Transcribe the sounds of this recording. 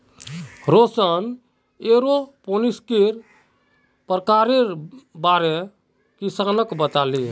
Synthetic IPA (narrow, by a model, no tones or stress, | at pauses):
ɾosən | eɾoponiskeɾ | pɾəkaɾebaɾe | kisanəkbət̪ali